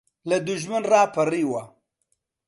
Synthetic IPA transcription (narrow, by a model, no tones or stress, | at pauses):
lɐd̪ʊʒmɨnraːpʰɐriːwɐ